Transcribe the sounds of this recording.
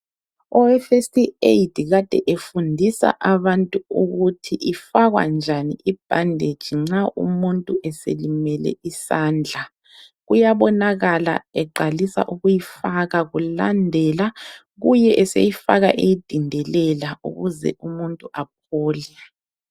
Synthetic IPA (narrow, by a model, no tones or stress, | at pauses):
ɔɛfestʰʼietʰiɣad̥ʱɛʔefundʱisa̰ʔaβantʼuuɣutʰiʔifaɣwa̰nd͡ʒʱaniʔib̥ʱandʱed̥ʒ̥ʱiŋ͡ǁaʔṵmuntʼuʔɛsḛlimɛlɛ̰isaːnd͡ɮʱa | ɣujaβɔnaɣala̰ɛǃalisa̰ʔuɣujifaɣaɣulandʱɛla | ɣujɛʔɛsḛjifaɣa̰ʔejid̥ʱindʱɛlɛlaṵɣuzɛ̰ʔumuntʼuʔap̚ʰɔːlɛ